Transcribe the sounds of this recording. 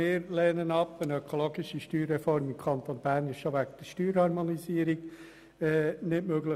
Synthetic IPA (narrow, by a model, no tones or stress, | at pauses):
ɪːɾlɛːnənɑpənøkʰoloːɡɪʃiʃtyːɾːɛfɔɾmɪmkʰɑnt̪onbæːɾnɪʃʃoʋæɡ̚d̥̪əʃtyːɾhɑɾmonisiːəɾiɡ | ɛːnɪtmøɡlə